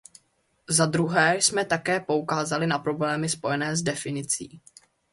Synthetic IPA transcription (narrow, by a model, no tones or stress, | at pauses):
zad̪ɾuɦɛːsmɛt̪akɛːpo̞ukaːzalɪnapɾo̞blɛːmɪspo̞jɛnɛːzdɛfɪnɪt͡sḭː